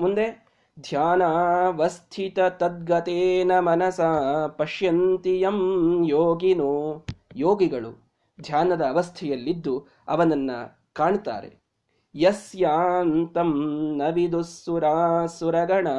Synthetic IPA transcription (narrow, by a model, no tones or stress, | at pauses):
mund̪e | d̪ʱjaːnaʋɐst̪ʰit̪ɐt̪ɐd̪̚ɡɐt̪eːnɐmɐnɐsaːpɐʃjɐnt̪ijɐmjoːɡinujoːɡiɡɐɭṵ | d̪ʱjaːnɐd̪ɐːʋɐst̪ʰɛjɐlːid̪ːu | ɐ̰ʋɐnɐnːɐ̰ | kaːɳt̪a̰ːɾḛ | jɐsjaːnt̪ɐmnɐʋid̪usʋuɾaːsuɾɐɡɐɳɐ